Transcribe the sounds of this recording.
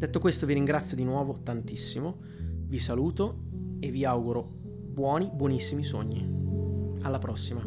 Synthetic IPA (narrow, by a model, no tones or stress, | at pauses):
d̪et̪ːokwest̪oviɾiŋɡɾat̪sːjod̪inwɔːvot̪ant̪isːimo | visaluːt̪o | evːiawɡuɾo | bwɔːnibwɔnisːimiso̰ɲːi | alːapɾɔsːima